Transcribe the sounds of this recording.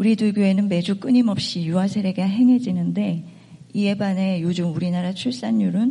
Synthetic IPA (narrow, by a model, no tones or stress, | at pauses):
uɾidɯɭɡjue̞nɯnme̞d͡ʑuk͈ɯɲimʌp̚ɕ͈ijuɦasʰe̞ɾeɡaɦe̞ŋɦe̞d͡ʑinɯnde̞ | ie̞bane̞jod͡ʑumuɾinaɾat͡ɕʰuɭs͈aɲːuɾɯn